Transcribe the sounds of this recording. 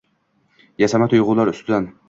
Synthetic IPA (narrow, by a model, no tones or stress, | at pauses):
jasamat̪ʰʊjʁʊlˠaɾʊst̪ʰɪd̪an